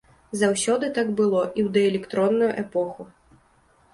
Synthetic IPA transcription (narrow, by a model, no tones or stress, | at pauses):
zawsʲɔd̪ɨt̪aɡbɨlˠɔʔiwd̪ɛɛlʲɛkt̪ɾɔnːujuʔɛpɔxu